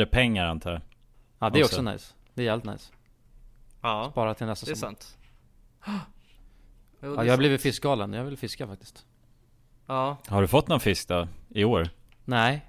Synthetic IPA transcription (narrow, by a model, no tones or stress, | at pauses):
əpʰɛŋːaɾant̪ʰɑːa | ɑːd̪ɛɾɔkssɔna̰js | d̪ɛɾjɛːvlɪt̪na̰js | spɑːɾat̪ʰɪlnɛst̪asnt̪ | jɑːhabliːvɪt̪fɪsk̚ɡɑːlənjɑːhavɪlfɪskafak̚t̪ɪ̥st̪ | haɖɵfɔt̪ːnɔnfɪsk̚d̪ɔɪoːɾ | nɛɪ